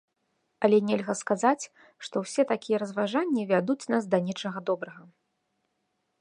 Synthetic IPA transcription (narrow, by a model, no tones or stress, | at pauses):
ɐlʲɛnʲɛlʲɣɐskazat͡sʲ | ʂt̪ɔwsʲɛt̪akʲijɛɾɐzvaʐanʲːivʲad̪ut͡sʲnasd̪ɐnʲɛt͡ʂɐɣɐd̪ɔbɾɐɣɐ